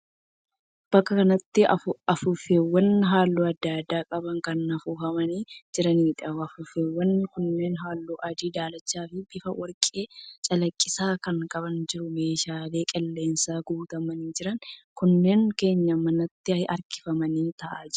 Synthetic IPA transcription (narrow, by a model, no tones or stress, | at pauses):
b̥ɐkːɐkɐnɐt̪ːɪɐfʊfeːwːɐnɦaːlːuːɐd̪ːaːd̪ːaːkʼɐbɐŋkɐnɐfuːɦɐmɐniːd͡ʒɪɾɐniːᶑɐɐfʊfeːwːɐnkʊnːe̞ːnɦaːlːuːʔɐd͡ʒ̪iːd̪aːlɐt͡ʃːaːfɪb̥ɪfɐwɐɾkʼe̞ːt͡ʃʼɐlɐkʼːɪsaːkɐŋkʼɐbɐnd͡ʒɪɾʊmeːʃaːle̞ːkʼɛlːe̞ːnsaːɡuːt̪ɐmɐniːd͡ʒɪɾɐŋkʊnːe̞ːŋke̞ːɲːɐmɐnɐt̪ːɪɐʔɐɾkɪ̥fɐmɐniːt̪ɐʔaːd͡ʒ